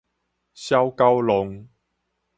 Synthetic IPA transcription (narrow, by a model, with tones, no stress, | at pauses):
ɕja˦wka˦wlʊ˨˦ŋ